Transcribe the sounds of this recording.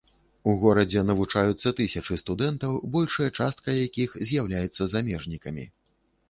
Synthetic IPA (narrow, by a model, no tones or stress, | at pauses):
uɣɔɾɐd͡zʲɛnɐvut͡ʂajut̪sːɐt̪ɨsʲɐt͡ʂɨst̪ud̪ɛnt̪ɐwbɔlʲʂɐjɐt͡ʂast̪kɐjakʲixzʲjawlʲajɛt̪sːɐzamʲɛʐnʲikɐmʲḭ